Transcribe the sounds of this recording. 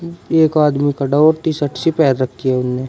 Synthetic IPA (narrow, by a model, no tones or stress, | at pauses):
eːkaːd̪mikaɖaɔːɾt̪iːsɐʈʰsipɛːɾɐkʰːiɛʊnːe